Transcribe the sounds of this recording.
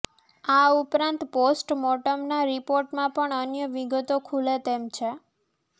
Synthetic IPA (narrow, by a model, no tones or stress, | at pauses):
aupɾãnt̪posʈmɔʈəmnaɾipoɾʈmãpəɳənjəʋiɡət̪okʰulet̪emt͡ʃʰe